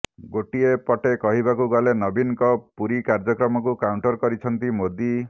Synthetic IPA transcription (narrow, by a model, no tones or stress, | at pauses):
ɡoʈiepɔʈekɔɦibakuɡɔlenɔbinkɔpuɾikaɾd͡ʒɔkɾɔmɔk̬ukawɳʈɔɾkɔɾit͡ʃʰɔnt̪imod̪i